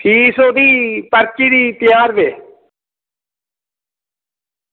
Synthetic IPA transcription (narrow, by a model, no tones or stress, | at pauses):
ʈʰiːsoːd̪iːpəɾt͡ʃiːɾiːt̪ɪjaːɾbeː